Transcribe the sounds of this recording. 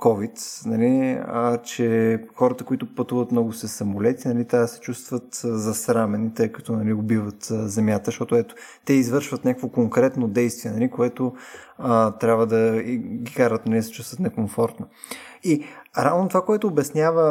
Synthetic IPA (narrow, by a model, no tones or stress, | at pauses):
kɔvit̪nɐliət͡ʃɛxɔɾət̪əkoit̪ʊpɐt̪uvət̪mnɔɡʊsɛsɐmolɛt̪inɐlit̪asɛ̥t͡ʃust̪vət̪zɐsɾamɛnit̪ɤjkɐ̥t̪ɔnɐliʊbivət̪zɛmʲjat̪əʃt̪ɔt̪oɛt̪o̥t̪ɛizvɤɾʃvət̪nʲakəkvokoŋkɾɛt̪nod̪ɛjst̪viɛnɐlikoɛt̪oət̪ɾʲabvəd̪ɐɡʲikaɾət̪nɐlid̪sɛ̥t͡ʃust̪vət̪nɛkoɱfɔɾt̪no | iɾavnot̪ovakoɛt̪oːbɛsnʲjavə